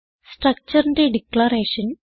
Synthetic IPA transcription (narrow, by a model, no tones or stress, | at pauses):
sʈɾɐk̚t͡ʃɐɾɐnɾiɖiklɐɾeːʃɐn